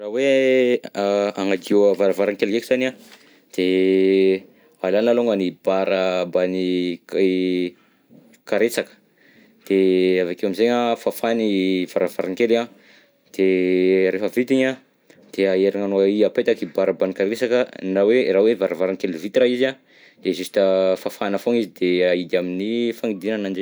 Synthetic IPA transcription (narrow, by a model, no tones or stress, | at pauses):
rawe | aŋad̪ioəvaɾavaɾaŋkelkekiz̥ana | d̪̥e | alanaloŋanibaɾəbani | kaɾesakə̥ | d̪̥eavakewamizeɲafafaniv̥aɾavaɾaŋkela | d̪̥eɾefəvit̪iɲa | d̪̥eaeɾaŋanoaiapet̪akibaɾəbanikaɾesakənaweɾawevaɾavaɾaŋkelivit̪iraiza | d̪̥ezusi̥təfafanafoŋizid̪eaid̪aminifaŋid̪inanand͡ʒe